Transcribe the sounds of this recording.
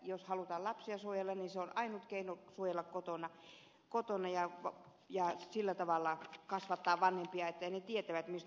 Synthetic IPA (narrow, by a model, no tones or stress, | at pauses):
joshɑlut̪ɑːlɑpsiɑsuojelːɑnniseonɑinut̪keinosuojelːɑkkot̪onɑ | kot̪onɑjɑʋ | jɑsilːæt̪ɑʋɑlːɑkɑsʋɑt̪ːɑːʋʋɑnhempiɑet̪ːæinet̪iet̪æʋæt̪mist̪